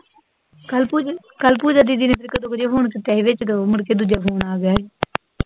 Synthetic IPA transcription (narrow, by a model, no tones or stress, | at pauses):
lː | kəlpuːd͡ʒaːd̪iːd̪iːneːpʰɪɾkəd̪õːkd͡ʒeːpʰoːɳkt̪ɛːʋɪt͡ʃt̪oːməɽkeːd̪ud͡ʒaːpʰoːɳaːɡjaːeː